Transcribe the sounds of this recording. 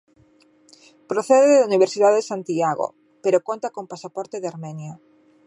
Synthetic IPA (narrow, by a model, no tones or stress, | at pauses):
pɾoθeðeðauniβ̞eɾsiðaðeðesant̪iaɣo̰ | peɾokont̪akompasapɔɾt̪eðeaɾmɛnja